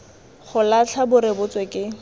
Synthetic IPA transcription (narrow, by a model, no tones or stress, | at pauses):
χʊlat͡ɬʰabʊɾɪbʊt͡swekʼɪ